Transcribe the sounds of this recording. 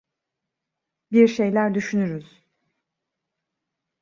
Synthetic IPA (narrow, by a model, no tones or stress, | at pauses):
biɾʃe̞jlʲæɾd̪yʃynyɾyz̥